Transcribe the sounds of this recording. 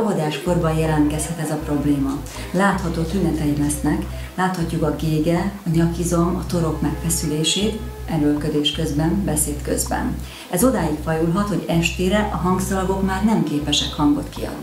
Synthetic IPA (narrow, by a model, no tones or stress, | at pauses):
ɒɦod̪aːʃko̞rbɒjɛlɛnt̪kɛshɛt̪ɛzɒpro̞bleːmɒ | laːt̪hɒt̪oːt̪ynɛt̪ɛjilɛsnɛk | laːt̪hɒcːukɒɡeːɡɛɒɲɒkizomɒt̪o̞ɾo̞kmɛkfɛsyleːʃeːt̪ | ɛlølkød̪eːʃkø̞zbɛnbɛseːt̪kø̰zbɛ̰n | ɛzo̞d̪aːjikfɒjulɦɒt̪ho̞ɟɛʃt̪eːɾɛʔɒɦɒŋɡsɒlɡo̞kmaːrnɛmkeːpɛʃɛkhɒŋɡo̞̰t̪kiɒ̰d̪ni